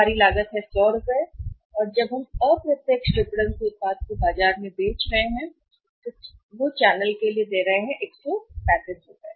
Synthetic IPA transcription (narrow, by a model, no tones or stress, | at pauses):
aːɾilaːɡət̪ɦɛsɔːɾʊpɛ | ɔːɾd͡ʒɐbɦɐmɔːpɾɐt̪jeːksʈɾɪpuɽə̃neːsbaːt̪̚kobaːd͡ʒaːɾmẽbeːt͡ʃɾɐɦeɦɛ̃ | t̪oʋot͡ʃɛːnəlkelied̪eːɾɐɦeɦɛ̃ʔeːksopɛːsẽd͡ʒɦoːɡ̪ɛː